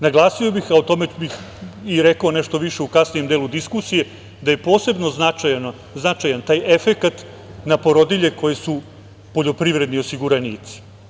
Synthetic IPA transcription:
naɡlˠaːsio̞bixaot̪o̞me̞bix | iɾekaoneʃt̪o̞ʋiʃe̞ukasnije̞md̪eːlud̪iskusije̞ | d̪aje̞po̞ːse̞bno̞znat͡ʃajno | znat͡ʃajant̪aːje̞fe̞kat̪ | napo̞ɾo̞d̪iʎe̞ko̞je̞su | po̞ʎo̞pɾiʋɾe̞d̪nio̞siɡuɾaniːt̪si̥

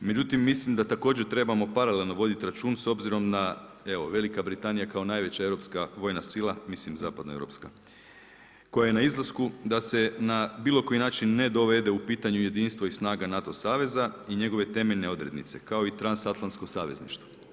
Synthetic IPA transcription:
me̞d͡ʑut̪imːislimd̪at̪ako̞ːd͡ʑet̪ɾe̞bamo̞paɾalelʲˠno̞ʋo̞d̪it̪iɾat͡ʃuːnso̞bziɾo̞mda | e̞ʋo̞̰ʋe̞likabɾit̪anijakao̞naːjʋe̞t͡ɕae̞vɾo̞pskaʋo̞jnasilˠamislimzaːpad̪noeʋɾo̞̰pska | ko̞jaje̞naizlˠaskud̪ase̞nabiːlˠo̞ko̞jinaːt͡ʃinːe̞d̪o̞ʋe̞d̪e̞upiːt̪aɲuje̞d̪iːnst̪ʋo̞isnaːɡanat̪o̞saːʋe̞zaiɲe̞ɡo̞ʋe̞t̪e̞meʎne̞o̞d̪ɾe̞d̪nḭt̪se̞kao̞it̪ɾansat̪lˠant̪sko̞saːʋe̞znḭʃt̪ʋa

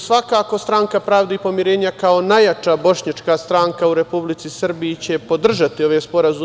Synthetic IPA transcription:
sʋakaːko̞st̪ɾaŋkapɾaːʋd̪ipo̞mjiɾe̞ːɲakaonajat͡ʃaːbo̞ʃɲat͡ʃkaːst̪ɾaːŋkauɾe̞publit̪sisr̩biit͡ɕe̞po̞d̪r̩ʒat̪io̞ʋeːspo̞ɾazu

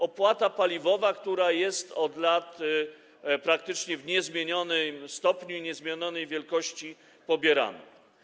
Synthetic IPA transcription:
ɔpwat̪apalʲivɔvakt̪uɾajɛst̪ɔd̪lat̪ | pɾak̚t̪ɘt͡ʂɲɛvɲɛzmʲjeɲɔnɘmst̪ɔpɲuiɲɛzmʲjeɲɔnɛjvʲjɛlkɔɕt͡ɕi | pɔbʲjɛɾa̰na̰

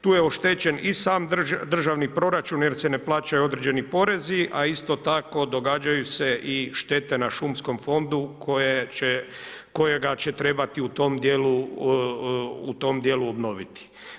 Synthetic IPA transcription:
t̪uːjeoʃt̪et͡ɕe̞nisaːmd̪rd̪r̩ʒaʋnipɾo̞ɾat͡ʃunjeɾse̞ne̞plaːt͡ʃajuo̞d̪ɾed͡ʒe̞nipo̞ɾe̞ziʔaist̪o̞t̪ako̞d̪o̞ɡaːd͡ʒajuse̞ʔiʃt̪e̞t̪e̞naʃumsko̞mfo̞nd̪ukojet͡ʃe | ko̞je̞ɡat͡ɕe̞t̪ɾe̞bat̪iut̪o̞md̪jeːlu | ut̪o̞md̪je̞luobno̞ʋit̪i̥

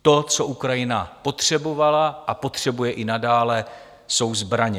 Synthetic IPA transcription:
t̪o̞t͡so̞ʔukɾajɪnapo̞t̪r̝̥ɛbo̞valaʔapo̞t̪r̝̥ɛbujɛʔɪnadaːlɛ | so̞wzbɾaɲɛ

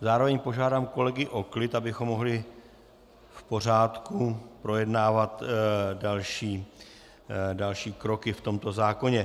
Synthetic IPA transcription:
zaːɾo̞vɛɲpo̞ʒaːdaːmko̞lɛɡɪʔo̞klɪt̪abɪxo̞mːo̞ɦlɪ | fpo̞r̝aːt̪kupɾo̞jɛdnaːvat̪dalʃiː | dalʃiːkɾo̞kɪft̪o̞mt̪o̞zaːko̞ɲɛ

